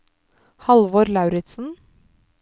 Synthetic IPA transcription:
hɑlʋoːɾlɑʉɾɪt̪sn̩

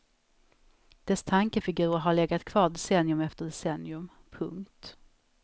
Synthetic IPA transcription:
d̪̥ɛst̪ʰaŋkəfɪɡʉ̟ːɾaɦaɭɛɡat̪kʰv̥ɑːɖɛsɛnːjɵmɛft̪əɖɛsɛnjɵm | pʰɵŋkt̪

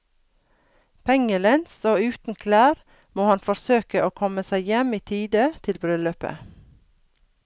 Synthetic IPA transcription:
pʰɛŋəlɛnsoːʉːt̪n̩kʰlæːɾ | moːhɑnfɔɾsøːkəʔoːkʰɔməsæɪjɛmiːt̪ʰiːd̪ət̪ʰɪlbɾʏløːpə̰

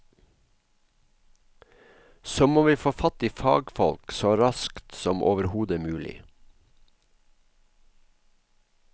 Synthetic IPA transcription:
soːmoːʋiːfoːfɑt̪iːfɑ̰ːɡfɔlksoːɾɑskt̪sɔmʔo̰ːʋəɾhuːd̪əmʉːlɪ̰

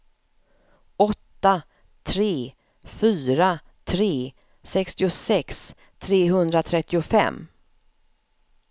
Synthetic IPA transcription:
ɔt̪ːa | t̪ʰɾeː | fyːɾa | t̪ʰɾeː | sɛkst̪ɪʊsɛks | t̪ʰɾeːɦɵnd̪ɾat̪ʰɾɛt̪ːɪʊfɛ̰mː

